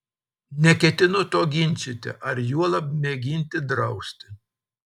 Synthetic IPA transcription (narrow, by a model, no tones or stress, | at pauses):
nʲɛkʲɛt̪ʲɪnʊt̪oːɡʲɪnʲsʲɪt̪ʲɪ̰ʔɐɾjuɔlˠɐp̚mʲeːɡʲinʲt̪ʲɪd̪ɾɐʊsʲt̪ʲɪ